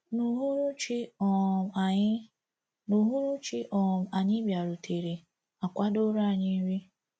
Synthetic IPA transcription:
nu˨ɦu˦ɾu˦t͡ʃi˦ɔ˨˦ | nu˨ɦu˦ɾu˦t͡ʃi˦ʔɔ˨ma˨ɲɪ˦bja˨ɾu˨tʰe˨ɾi˨ | a˨kʷa˦do˦ɾa˦˨ɲɪ˦ɾi˦

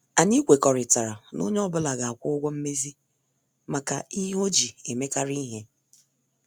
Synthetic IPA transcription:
a˨ɲi˦kʷe˨kɔ˨ɾɪ˨ta˨ɾa˨no̰˦ɲ˦ɔ˦bʊ˦la˨ɡa˨a˨kʷʊ˦ʊ˦ɡʷɔ˦m̩˦me˦zi˦ | ma˨ka˨i˦ɦo˦d͡ʒi˨e˨me˦ka˦ɾi˦ɦe˦

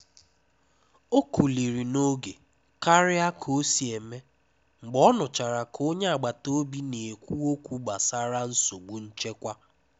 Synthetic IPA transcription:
o˦ku˨li˨ɾi˨no˦ɡe˨ | ka˦ɾɪ˦a˦kʰo˦si˨e˨me˦ | ŋ͡m̩˨ɡ͡bɔ˦nʊ˨t͡ʃa˨ɾa˨kʰo˦ɲe˦a˨ɡ͡ba˨to˦bi˦ne˨e˨kʷu˦o˦kʷu˦ɡ͡ba˨sa˦ɾa˦n̩˦so˨ɡ͡bu˨n̩˦t͡ʃe˦kʷa˦

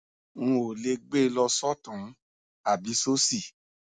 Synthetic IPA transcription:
ŋũ˧o˨le˧ɡ͡be˦˧lɔ˧sɔ˦tũ˨˦ | a˦˨bi˨˦so˦si˦˨

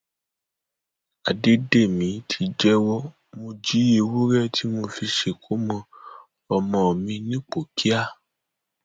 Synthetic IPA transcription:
a˨de˨˦de˦˨mĩ˨˦tʰi˧d͡ʒɛ˦wɔ˦ | mo˧d͡ʒi˨˦e˧wo˦ɾɛ˦tʰi˨˦mo˧fi˧ʃe˧˨kʰo˨˦mɔ̃˧ | ɔ˧mɔ̃˨mĩ˧nĩ˦k͡po˨kʰi˦a˦˨

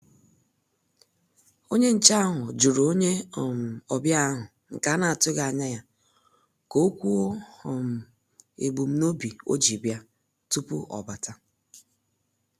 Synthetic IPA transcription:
o˦ɲe˦n̩˨t͡ʃa˦a˦ɦʊ˨d͡ʒu˨ɾo˨o˦ɲe˦˨m̩˨ɔ˨bja˦ɦʊ˨ | ŋ̩˨ka˨˦na˨a˨tʊ˦ɡa˨a˨ɲa˦ja˦ | ko˦o˦kʷu˦o˦hɔ˨m̩˨ | ḛ˨ɡ͡bu˨m̩˦no˦bi˨o̰˦d͡ʒi˨bja˦ | tu˦pʊ˦ʔɔ̰˨ba˨ta˦

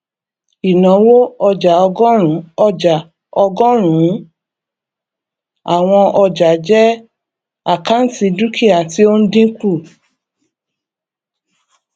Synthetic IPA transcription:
i˨nã˨˦wo˦ɔ˧d͡ʒa˨ɔ˧ɡɔ̃˦ɾ̃ũ˨˦ɔ˧d͡ʒa˨ | ɔ˧ɡɔ̃˦ɾ̃ũ˨˦ | a˨w̃ɔ̃˧ʔɔ˧d͡ʒa˨d͡ʒɛ˦ | a˦˨ka˦n̩˦ti˧du˦kʰi˦a˨ti˦o˦n̩˦dĩ˦ku˦˨

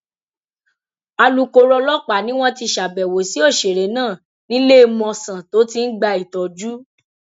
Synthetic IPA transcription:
a˧lu˨ko˧ɾɔ˧lɔ˦k͡pa˨nĩ˦w̃ɔ̃˦ti˧ʃa˨bɛ˨wo˨si˨˦o˦˨ʃe˨ɾe˨nãː˦˨ | nĩ˨˦le˦˧mɔ̃˧sã˨to˨˦ti˧n̩˦ɡ͡ba˧i˨tɔ˨d͡ʒu˦

